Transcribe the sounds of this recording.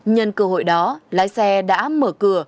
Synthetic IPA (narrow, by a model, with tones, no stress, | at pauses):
ɲə˧nkə˧˩ɦo̰˧˨jɗɔ˨˦laː˨˦jsɛ˧ɗa̰ː˧˥məː˧˩kɨ˧˩ə